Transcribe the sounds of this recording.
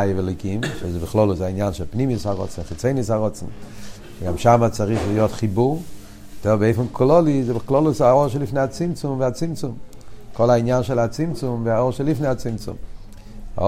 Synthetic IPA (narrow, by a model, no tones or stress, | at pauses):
ajəvɛlˠikimʃɛzbɪχlˠɔlˠʊsainjanʃɛlˠpnimisaʁɔ̰t͡sn̩χɪt͡seɪnisaʁɔt͡sn̩ | dɪɡamʃamat͡saʁiχvɪjɔtχibuʁ | tɛbeɪfɪnkʰlˠɔlˠizɪbɪχlˠɔlˠʊsaɔʃɛlˠifneat͡simt͡sʊmvɪat͡simt͡sʊmkʰɔlˠaɪnjanʃɛlˠat͡simt͡sʊmvɪaɔʃɛlˠifneat͡simt͡sʊ̰m